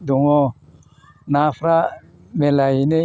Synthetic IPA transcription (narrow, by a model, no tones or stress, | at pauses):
d̪uŋo | nafɾa | melaine